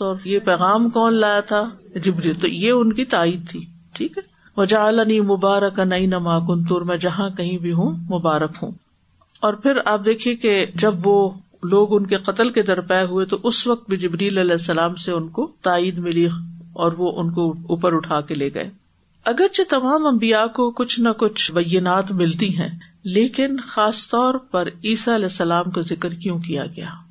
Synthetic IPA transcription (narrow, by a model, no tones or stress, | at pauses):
ɔːɾjepɛːɣaːmkɔːnlaːjat̪ʰad͡ʒɪbɾiːlt̪o̰jeʊnkit̪aːiːd̪̚t̪ʰiː | ʈʰiːkɦɛ | ʋɐd͡ʒaːəlɐniːmʊbaːɾəkanɐinɐmaːkʊnt̪̬ʊɾmɛ̃ːd͡ʒɐɦãkɐɦĩbʱiɦũmʊbaːɾəkɦṵ̃ː | ɔːɾpʰɪɾaːp̚d̪eːkʰiẽked͡ʒɐbʋo | loːɡʊnkeqɐt̪əlked̪ɐɾpɛɦuet̪oʔʊsʋɐk̚t̪̚bʱid͡ʒɪbɾiːlɐlɛːsːɐlaːmseʊnkot̪aːiːd̪mɪliɔːɾʋoʔʊnkouːpəɾʊʈʰaːkeleːɡɐ̰ḛː | ɐɡəɾt͡ʃet̪ɐmaːmɐ̃mbijakokʊt͡ʃʰnɐkʊt͡ʃʰbɐjːɪnaːt̪mɪlt̪iɦɛ̰̃ːleːkɪnxaːst̪ɔːɾpɐɾiːsaɐlɛːsːɐlaːmkazɪkɾkjõkija̰ɡɐja̰ː